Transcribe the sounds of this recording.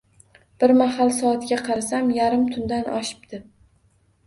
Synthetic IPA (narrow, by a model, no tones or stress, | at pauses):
b̥ɪɾmaɦalˠsɒːt̪ɡʲaqʰɑɾasamjaɾɪmt̪ʰʊnd̪anʔɒ̰ʃɪ̥p̚d̪̥ɪ